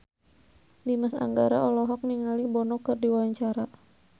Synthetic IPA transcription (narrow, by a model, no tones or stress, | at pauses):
limasa̰ŋɡaɾaɔlɔɦɔk̚niŋalihbɔnɔkɨrdiwaɲt͡ʃaɾa